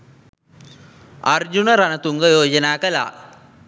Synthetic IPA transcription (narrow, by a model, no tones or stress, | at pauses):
ard͡ʒunəɾanət̪uŋɡəjoːd͡ʒənaːkəla̰ː